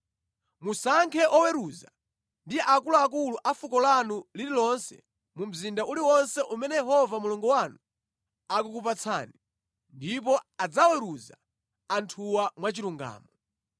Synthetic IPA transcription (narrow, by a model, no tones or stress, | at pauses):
musaŋkʰɛʔɔwɛɾuza̰ | ndiʔakulɔakuluʔafukɔlanulililɔnsɛ̰ | mum̩zindaʔuliwɔnsɛʔumɛnɛjɛɦɔvamulɔŋɡɔwanu | ak̬ukup̬at͡sʰa̰ːni | ndip̬ɔad͡zawɛɾuza̰ | antʰuwamwat͡ʃiɾuŋɡa̰ːmɔ